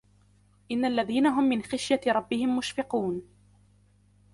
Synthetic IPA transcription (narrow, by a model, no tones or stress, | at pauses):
ʔɪnːaʔlːaðiːnaɦʊmːɪnxaʃjaɾˤɑbːɪhɪmːʊʃfɪquːn